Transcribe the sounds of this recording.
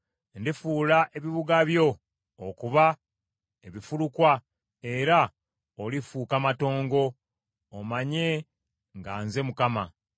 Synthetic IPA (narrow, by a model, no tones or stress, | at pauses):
ndifuːlaʔe̞βiβuɡaβjo̞ː | kuβa | eβifulukwa | e̞ɾa | olifuːkamato̞ːŋɡo̞ː | maɲe̞ | ŋɡaːnze̞mukama